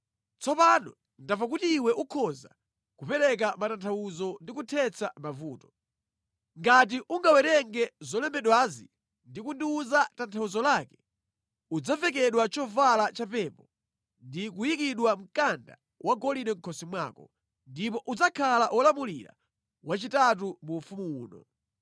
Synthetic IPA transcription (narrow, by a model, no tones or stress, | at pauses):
t͡sɔpanɔ | ndavak̬utiːwɛʔukʰɔza̰ | kupɛɾɛk̬amatantʰawuzɔndikutʰɛt͡sʰamavuːtɔ̥ | ŋɡat̬iʔuŋɡawɛɾɛŋɡɛzɔlɛmɛɗwazi | ndikundiuzatantʰawuzɔlaːkɛ̥ | ud͡zavɛk̬ɛɗwat͡ʃɔvalat͡ʃapɛpɔ | ndikujikiɗwam̩kanda̰ | wʔaɡɔlinɛŋ̩kʰɔsimwa̰ːkɔ | ndipɔʔud͡zakʰalaʔɔlamuliɾa̰ | wat͡ʃitat̬umuːfumuuːnɔ̰